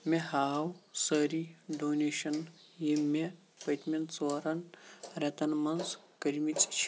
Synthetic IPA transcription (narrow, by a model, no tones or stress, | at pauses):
mehaːwsəɾiɖoːneʃɐn | jime | pɐt̪ment͡soːɾɐnɾɛt̪ɐnmɐnzkɐɾmit͡sʼt͡ʃʰ